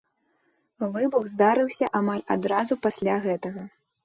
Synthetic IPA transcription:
vɨbuɣzd̪aɾɨwsʲɐʔamalʲad̪ɾazupasʲlʲaɣɛt̪ɐɣɐ

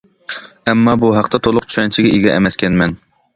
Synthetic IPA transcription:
ɛmːɑbuɦæqt̪ɛt̪ʰolˠʊqt͡ʃʰyʃɛnt͡ʃʰɪɡʲɛeɡʲɛʔɛ̰mɛskʲɛnmɛn

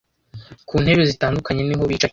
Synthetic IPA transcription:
kʰuːn̥he̞ɾezitaːndukaɲe̞niɦo̞βit͡ʃa

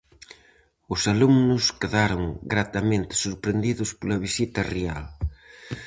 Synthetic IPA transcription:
ʊsalumnʊskeðaɾʊŋɡɾat̪ɐmẽnt̪ɪ̥suɾpɾend̪iðʊspolɐβ̞isit̪ɐreal

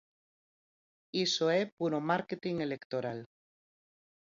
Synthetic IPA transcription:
isoepuɾomaɾket̪iŋelekt̪oɾal

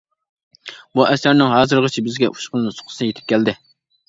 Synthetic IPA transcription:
buʔɛsæɾnɪŋɦɑːzɨɾʁət͡ʃʰibɪzɡʲɛʔu̥ʃqəlˠɨnɨsʊ̥qʰʊ̥snjet̪ʰɪ̥p̚kʲɛld̪ɪ

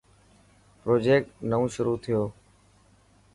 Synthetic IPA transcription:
pɾoːd͡ʒeːk̚ʈnəũːʃʊɾuːt̪ʰɪjoː

